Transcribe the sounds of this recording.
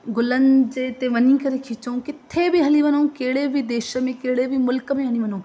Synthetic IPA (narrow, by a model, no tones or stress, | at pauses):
ɡʊlənd͡ʑet̪eʋɐnĩkɐɾekʰit͡ʃɐũkɪt̪ʰːebiɦɐliʋɐnoũkeːɽebʱid̪eːʃəmẽkeːɽebʱimʊlkəmẽɦɐniʋɐnː